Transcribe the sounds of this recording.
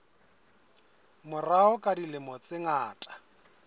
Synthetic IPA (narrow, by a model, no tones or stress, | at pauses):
mʊraʊkʼadilɪmɔt͡sʼɪŋaːtʼḁ